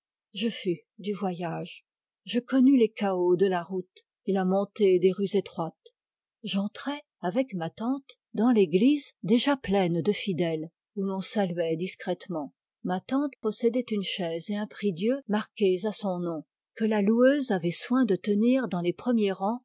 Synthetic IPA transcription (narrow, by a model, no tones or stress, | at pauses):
ʒəfy | d̪yvwajaʒ | ʒəkɔnylekaod̪əlaʁut̪ | elamɔ̃t̪ed̪eʁyzet̪χwat̪ | ʒɑ̃t̪χɛ | avɛkmat̪ɑ̃t̪ | d̪ɑ̃leɡlizd̪eʒaplɛnd̪əfid̪ɛl | ulɔ̃salɥɛd̪iskχɛt̪mɑ̃ | mat̪ɑ̃t̪pɔsɛd̪ɛt̪ynʃɛzeɛ̃pχid̪jømaʁkʲezasɔ̃nɔ̃ | kəlaluøzavɛswɛ̃d̪ət̪əniʁd̪ɑ̃lepχəmjeʁɑ̃